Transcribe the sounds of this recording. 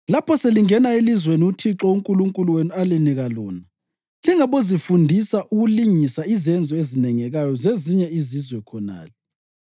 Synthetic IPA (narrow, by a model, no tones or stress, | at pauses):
lapʰɔseliŋɛnaelizweniutʰiǁɔuŋkʼuluŋkʼuluwenialiniɣalɔ̰ːna | liŋaβozifundʱisaʔuɣuliŋisaizɛnd͡zʱɔezinɛŋɛɣajɔzeziɲɛizizwɛkʰɔna̰ːlɛ